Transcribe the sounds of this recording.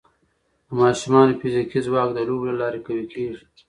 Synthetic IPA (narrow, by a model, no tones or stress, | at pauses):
d̪̥əmɑːʃumɑːnofɪzikizwɑːkd̪əluːblalɑːɾekawekʰeːʒi